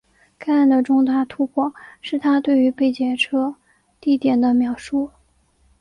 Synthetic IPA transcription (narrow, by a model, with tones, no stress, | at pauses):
ka˥˧a˥˩nd̪ə˩ʈ͡ʂʊ˥˧ŋt̪a˥˩t̪ʰu˥pʰwɔ˥˩ʂɻ̩˥˩t̪ʰa˥t̪we˥˩ɪy˧˥pe˥˩ɪt͡ɕjɛ˧˩ʈ͡ʂʰɤ˥ | t̪i˥˩t̪jɛ˨˩nd̪ə˦mjɑ˨˩ʊʂu˥˩